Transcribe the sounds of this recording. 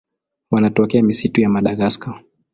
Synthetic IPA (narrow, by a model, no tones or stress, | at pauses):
wanatɔkɛamisitujamaɗaɣaskɔ